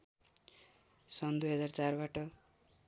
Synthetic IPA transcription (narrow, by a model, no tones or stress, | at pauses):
sʌnd̪ujɦʌd͡zart͡sarbaʈʌ